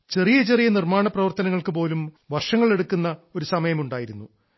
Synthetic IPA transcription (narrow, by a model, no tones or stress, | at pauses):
t͡ɕe̞rijɐt͡ɕerijɐnirmaːɳɐprɐʋɐrt̪ɐnɐŋːɐɭkɨpo̞ːlum | ʋɐrʂɐŋːɐɭe̞ɽukːunːɐo̞ɾusɐmɐjɐmuɳɖaːjiɾunːu